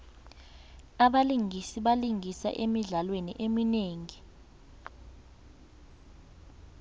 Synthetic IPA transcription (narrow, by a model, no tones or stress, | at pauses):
aɓaliŋisiɓaliŋisa̰ʔemiɮalwenḭʔemineːŋi